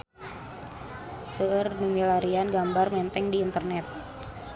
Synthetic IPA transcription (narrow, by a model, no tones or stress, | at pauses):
səərnumilaɾianɡambarmɛnt̪ɛŋdiːnt̪ərnɛt̪̚